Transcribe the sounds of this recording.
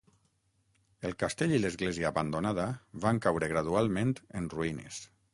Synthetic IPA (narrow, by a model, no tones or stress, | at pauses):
elˠkast̪eʎiləzɣleziəːβand̪onað̞aβaŋkawɾeɣ̞ɾaðualˠmẽnt̪ənruinḛs